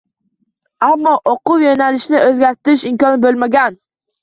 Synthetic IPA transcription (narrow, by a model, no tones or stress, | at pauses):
amːɒʔoqʊwjonalɪʃnɪʔɵzɡʲaɾt̪ɪɾɪʃɪmkɒnbolˠmaɡʲan